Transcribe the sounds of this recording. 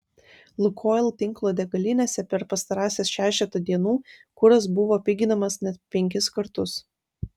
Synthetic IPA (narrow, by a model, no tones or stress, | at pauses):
lˠʊkʰoːlˠt̪ʲɪŋˑklˠoːd̪ʲɛɡɐlʲɪnʲeːsʲɛpʲɛɾpɐst̪ɐɾɑːsʲeːsʃʲæːʃʲɛt̪ud̪ʲiɛnuːkʊɾɐs̬bʊʋoːpʲɪɡʲɪnɐmɐsnʲɛt̪̚pʲɛŋʲkʲɪskɐɾt̪ʊs